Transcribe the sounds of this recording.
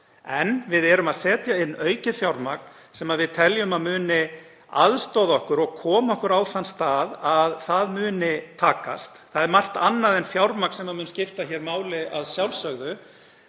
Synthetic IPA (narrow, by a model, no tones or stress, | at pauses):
ɛnvɪðɛɾʏmaðsɛːt̪jaɪnːœːɥcɪfjawɾmak̚n̥ | sɛmaðvɪðt̪ʰɛljʏmaðmʏːnɪ | a̰ðst̪owðaɔhkʏɾɔɣkʰɔːmaɔhkʏɾaːwθanːst̪aːðaðθaðmʏːnɪt̪ʰaːka̰st̪θaðɛɾmar̥t̪anːaðɛnfjawɾmaknsɛmːaðmʏːnscɪft̪açɛːɾmaːwlɪaðsjawlsœɣðʏ